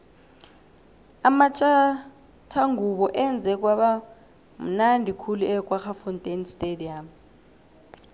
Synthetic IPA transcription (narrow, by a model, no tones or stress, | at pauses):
amat͡ʃʼa | tʰaŋɡʱuɓɔʔɛnd͡zʱɛk̬ʼwaɓa | m̩nandʱikʰuluɛkʼwaxafɔntʼenstʼediam